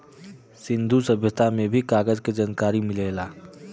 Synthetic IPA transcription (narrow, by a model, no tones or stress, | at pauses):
sɪ̃nd̪ʱusɐbʱjət̪ʰamẽbʱikaːɡəd͡ʒked͡ʒaːnkaːɾimɪleːlaː